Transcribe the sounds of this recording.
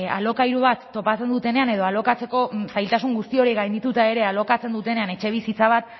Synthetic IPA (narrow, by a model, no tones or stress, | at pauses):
a̰lo̞kajɾuβ̞at̪ːo̞pat͡se̞nd̪ut̪e̞ne̞ane̞ð̞o̞alo̞kat͡seko̞sajlt̪asuŋɡust̪io̞ɾiɣajnd̪it̪ut̪ae̞ɾe̞alo̞kat͡se̞nd̪ut̪ene̞ane̞t͡ʃe̞β̞isit͡saβ̞at̪